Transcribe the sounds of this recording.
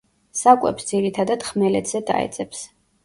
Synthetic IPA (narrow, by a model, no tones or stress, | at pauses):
sakʼwɛ̰psd̪ziɾit̪ʰad̪ad̪̥χmɛlɛt̪ʰz̥ɛd̪a̰ɛ̰t̪sʼɛps